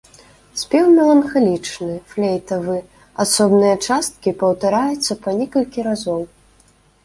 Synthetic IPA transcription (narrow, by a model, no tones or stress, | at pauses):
sʲpʲɛwmʲɛlˠɐnxalʲit͡ʂnɨflʲejt̪ɐvɨ | asɔbnɨjɐt͡ʂast̪̚kʲipɐwt̪aɾajut̪sːɐpanʲɛkɐlʲkʲiɾazɔw